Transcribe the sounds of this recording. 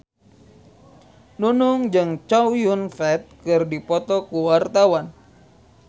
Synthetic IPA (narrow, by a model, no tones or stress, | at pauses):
nunuŋd͡ʒɨŋt͡ʃawjunfɛt̪̚kɨrdipɔt̪ɔkuwart̪awan